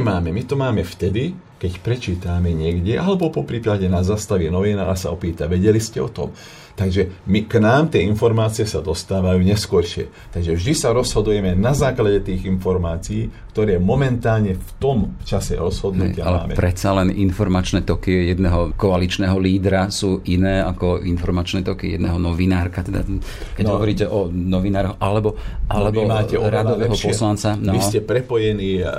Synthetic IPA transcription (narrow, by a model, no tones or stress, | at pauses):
maːmɛmit̪ɔmaːmɛft̪ɛd̪i | kɛcpɾɛt͡ʃiːt̪aːmɛɲɪɛɡɟɛʔalɛbɔpɔpɾiplaɟɛnazast̪aʋinɔʋinaasaɔpiːt̪aʋɛɟɛliscɛɔt̪ɔ̰m | t̪aɡʒɛmiknaːmt̪ɪɛinfɔɾmaːt͡sijɛsad̪ɔst̪aːʋajuːɲɛskʊɔɾʃɪɛ̰ | t̪aɡʒɛvʒd̪isaɾɔzɦɔd̪ujɛmɛnazaːklaɟɛt̪iːɣinfɔɾmaːt͡siiːkt̪ɔɾɛːmɔmɛnt̪aːlɲɛft̪ɔmt͡ʃasɛ̰ɾɔzɦɔd̪nṵɪaalɛa̰ːmɛ̰pɾɛtt͡salɛnʔinfɔɾmat͡ʃnɛːt̪ɔkijɛd̪nɛɦɔkɔalit͡ʃnɛːɦɔliːd̪ɾasuːʔinɛːakɔinfɔɾmat͡ʃnɛːt̪ɔkijɛd̪nɛɦɔnɔʋinaːɾkat̪ɛd̪a̰ | kɛɟɦɔʋɔɾiːcɛʔɔnɔʋinaːɾɦɔʔalɛbɔʔalɛʋbɔmaːɛɾad̪ɔʋɛːɦɔpɔslant͡sanɔʋiscɛpɾɛpɔjɛniː